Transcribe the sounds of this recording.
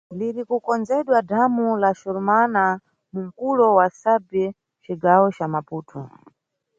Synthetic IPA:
liɾikukɔnd͡zɛɗwadamulaʃɔɾumana | muŋ̩kulɔwasabɛ | t͡ʃiɡawɔt͡ʃamapuːtʰɔ

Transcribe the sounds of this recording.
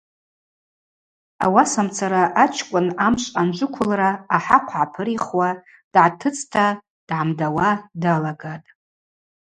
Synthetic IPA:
a̰wasamt͡sʰaɾaʔat͡ʃʰkʷʼʊnamʃʷʼand͡ʒʷʊkʷʰʊlraːħaqʷʰʕapʰɨɾiχwa | d̥ʕatʰɨt͡sʰtʰa | d̥ʕamdawadalaɡatʼ

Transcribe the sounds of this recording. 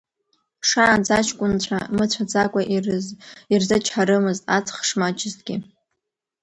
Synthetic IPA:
ʂaːnd͡zat͡ʃʰkʷʼʊnt͡ɕʷʰa̰mɨt͡ɕʷʰad͡zakʷʼaʔ | irzat͡ʃʰħaɾɨmɨztʼat͡sʰχʂmat͡ʃʰʼɪztʼɡʲɪ̰

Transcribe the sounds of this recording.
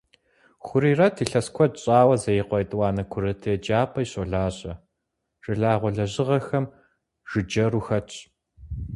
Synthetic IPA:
xʷʊɾiːrɐtʰiːɬɐskʷʰɔd̚ɕʼaːwɐzɐjɪqʷɔjtʼwɑːnɐkʷʰʊɾɨtʰɨjɛd͡ʒaːpʰɐjɕʼoɮaːɕʼɐ | ʒʼɨɮaːʁʷɔɮɐʑɪʁɐxɐm | ʒ̥ɨd͡ʒɐɾuxɐt͡ʃʰʼ

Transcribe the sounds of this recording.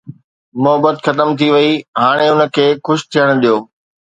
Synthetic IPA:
mʊɦəbət̪xɐt̪əmt̪ʰiʋɐiɦaːɽ̃eʊnə̆kʰeːxʊʃt̪ʰijəɽ̃̆ɗijoː

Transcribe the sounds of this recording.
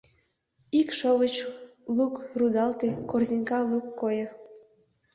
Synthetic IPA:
ikʃoβət͡ɕlukrud̪ɑlt̪ekorzinʲkɑlukːojŏ

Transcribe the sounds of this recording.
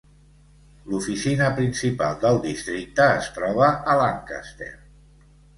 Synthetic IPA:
lufisinəpɾinsipalˠd̪əlˠd̪ist̪ɾik̚t̪əːst̪ɾɔβ̞əʔəlaŋka̰st̪ḛr

